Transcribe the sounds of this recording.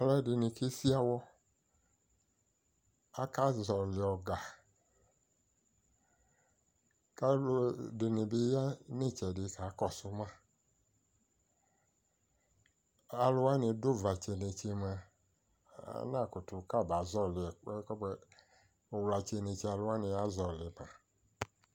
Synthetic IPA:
a˨lɛ˦dɪ˨nĩ˨ke˦si˦a˦wɔ˦ | a˦ka˦zɔ˨lɪ˨ɔ˨ɡa˨ | ka˦ldɪ˨nɪ̃˨bɪ˦ja˦nẽ˦˨t͡ʃɛ˨dɪ˨ka˨˦kɔ˦˨sʊ˦mã˦ | a˨lo˦a˦nĩ˨do˦va˨t͡ʃe˨nẽ˨t͡ʃe˦me˨˦ | nã˦˨ko˨tu˨ka˦˨ba˨˦zɔ˦lɪ˨˦kɔ˦bɛ˦ | o˨wla˨t͡ʃe˨nẽ˨t͡ʃi˦a˨lo˦a˦nɪ̃˨a˦zɔ˨lɪ˨ma˨

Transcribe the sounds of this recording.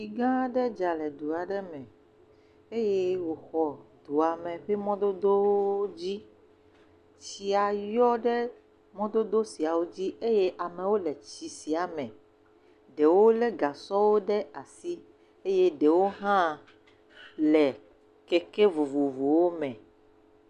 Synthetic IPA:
i˨ɡã˦ɖɛ˦d͡ʒa˨lɛ˨d̪u˨a˨ɖɛ˦mɛ̃˨ | e˦je˦wo˨xɔ˨d̪̥u˨a˨mɛ̃˨ɸe˦mɔ̃˦d̪o˦d̪o˦wo˦d͡ʑi˦ | t͡ɕi˨a˨jɔ˦ɖɛ˦ | mɔ̃˦d̪o˦d̪o˦si˨a˨wo˦d͡ʑi˦e˦je˦ʔa˨mẽ˨wo˦lɛ˨t͡ɕi˨si˨a˨mɛ̃˨ | ɖe˨wo˦lɛ˦ɡa˨sɔ˦wo˦ɖɛ˦a˨si˦ | e˦je˦ɖe˨wo˦ɦã˦ | lɛ˨ | kɛ˦ke˦vu˨vu˨vu˨wo˦mɛ̃˨

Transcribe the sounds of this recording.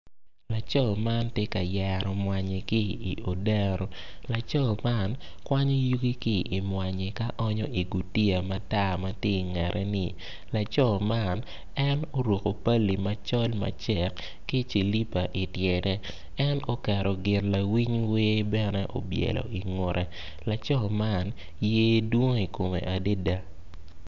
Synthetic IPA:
la˨t͡ʃɔ˦˨lma˦ntje˦ka˨jɛ˨ɾɔ˨mwa˨ɲe˨kɪ˦ḭ˨o˨dɛ˦ɾɔ˨la˨t͡ʃɔ˦˨lma˦n | kwa˦ɲo˦ju˦ɡi˦kɪ˦ʔːmwa˨ɲe˨ka˦ʔɔ˦ɲɔ˦i˨ɡu˨ti˦a˨ma˦ta˦ma˦tje˦i˨ŋɛ˨ɾʔɛ˦nɪ˨ | la˨t͡ʃɔ˦˨lma˦n | ɛ˦no˦ɾwo˨ko˨pa˦lːi˨ma˨t͡ʃɔ˦lma̰˨t͡ʃɛ˨kː | i˦t͡ʃi˨li˦pa˨ʔɪ˨tjɛ˨dɛ˦ | ɛ˦no˦kɛ˨ɾɔ˨ɡɪ˨rla˨wi˦ɲwe˦bɛ˦nɛ˦ʔɔ̰˨bjɛ̰˨lɔ̰˨i˨ŋo˨ɾʔɛ˨ | la˨t͡ʃɔ˦lma˦n | jeː˦dwo˦ŋi˨ko˨mḛ˨ʔa˨de˦da˦

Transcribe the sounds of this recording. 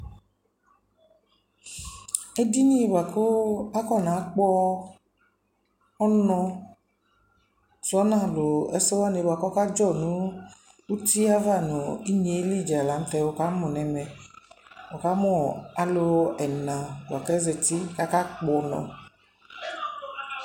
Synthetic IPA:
e˦di˦ɲi˦˨ba˨ko˦a˦kɔ˦˨nã˨˦k͡pɔ˦ | ɔ˦nɔ̃˧ | sɔ˨˦nã˦˨lo˨ɛ˦sɛ˦wa˦ne˨˧ba˨kɔ˦ka˦d͡ʒɔ˦˨nũ˨˦ | u˦ti˦a˦va˦˨nu˨i˦ɲe˨˦li˦˨d͡ʒla˨˦m̩˦t̪ɛ˧wo˨ka˦mɔ̃˨nɛ˨mɛ˨ | o˨ka˨˦mɔ̃˦˨a˦lo˧ɛ˨nã˨wʷa˨kɛ˦zɛ˧ti˦ka˦ka˦k͡pɔ˨˦nɔ̰̃˨

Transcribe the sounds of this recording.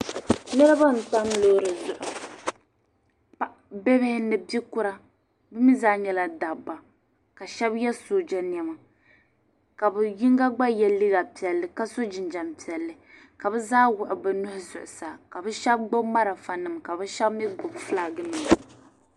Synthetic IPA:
nɨ˦ɾɨ˦ba˦n̩˨ta˦mloː˦ɾɨ˨zʊ˨ʔʊ˨ | pa˦ʔ | bɛ˦bɪ˦hɪ˦nɨ˨bi˦kʊ˦ɾa˦ | bɨ˦mi˦zaː˦ɲɛ˦la˦da˨ba˨ | ka˨ʃɛ˦bjɛ˦soː˨d͡ʒɛ˦n˨ɛ˦ma˨ | ka˨bɛ˨ji˦ŋɡa˦ɡ͡ba˦jɛ˦lɨ˦ɡa˨pi˨ɛ˨lːɨ˨ka˦so˦d͡ʒɪ˨nd͡ʒa˨mpi˨ɛ˨lːɨ˨ | ka˨bɛ˦zaː˦wʊ˨ʔʊ˨bɛ˨nʊ˦hʊ˦zʊ˨ʔʊ˨saː˨ka˨bɨ˦ʃɛ˦b̚ɡ͡bo˦bma˦ɾa˨fa˨nɨ˨mka˨bɛ˦ʃɛ˦bmi˦ɡ͡bʊ˨bfla˨ɡɨ˦ni˨

